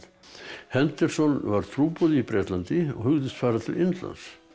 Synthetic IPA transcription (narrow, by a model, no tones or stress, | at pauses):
hɛnt̪ɛɾ̥sɔnvaɾ̥t̪ʰɾuːpɔðɪipɾɛːt̪lant̪ɪɔ̰ɣhʏɣðɪst̪faːɾat̪ʰɪlɪnt̪la̰ns